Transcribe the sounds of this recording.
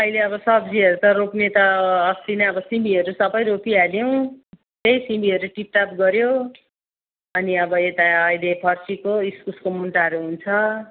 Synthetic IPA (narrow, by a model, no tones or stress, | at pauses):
ʌileʌβʌsʌbd͡ziʌɾut̪ʌɾoknet̪ʌːst̪inʌʌbʌsimbiɦʌɾusʌbʌjɾopialjow̃ | t̪ejsimbiɦʌɾuʈip̚ʈap̚ɡʌɾjo | ʌniʌbʌet̪aʌjlepʰʌrsikoiskuskomunʈaʌɾuɦunt͡sʰʌ